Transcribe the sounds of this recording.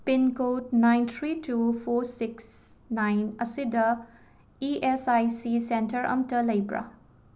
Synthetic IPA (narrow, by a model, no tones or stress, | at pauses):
pinkot̚najnt̪ʰɾitupʰoɾsiks | najnɐsidɐ | iʔesajsisentɐɾʔɐ̰mtɐlɐjbɾa̰